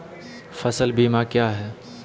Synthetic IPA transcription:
fɐsəlbiːmakjaːɦɛː

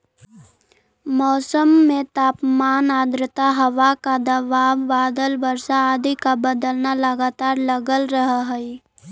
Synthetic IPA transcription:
mɔːsəmːẽt̪aːpmaːnaːd̪ɾɪt̪aɦɐʋakad̪ɐbaːʋːaːd̪əlbəɾsaːd̪ikabəd̪əlnaləɡaːt̪aːɾləɡəlɾəɦɦəi

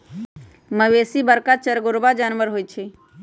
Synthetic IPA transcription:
məʋeːsibəɾkat͡ʃəɾɡʊɾbad͡ʒaːnʋəɾɦoːit͡ʃʰe

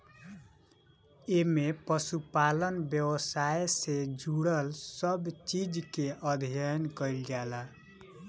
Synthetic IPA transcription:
emepəsupalənbjəwəsaesed͡ʒuɽəlsəbt͡ʃid͡ʒkeʔəd̪ʱjankəjlɡɛla

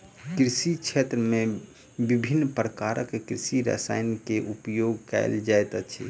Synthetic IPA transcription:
kɾisit͡ʃʰet̪ɾəme | bibʱinːpɾəkaɾəkkɾisiɾə̰sajnkeʔupjoɡkɛ̰ɪld͡ʒajt̪ət͡ʃʰḭ

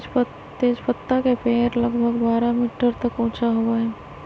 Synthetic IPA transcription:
t̪eːd͡ʒpət̪ːakepeːɾlɐɡbʱəɡbaːɾamiːʈəɾt̪ɐkõːt͡ʃʰaɦoaɦɛː

